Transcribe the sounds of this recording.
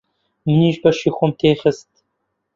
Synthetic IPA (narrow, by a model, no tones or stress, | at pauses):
mɨniːʒbɐʃiːxʷomt̪ʰeːxəst̪